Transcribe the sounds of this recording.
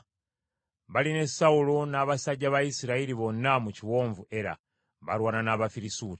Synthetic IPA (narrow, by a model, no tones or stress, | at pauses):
βaline̞saulo̞naːβasaɟaβaisiɾaiɾiβo̞nːamuciwo̞ːɱvue̞ɾa̰ | βa̰ɾwaːnanaβafiɾisuːti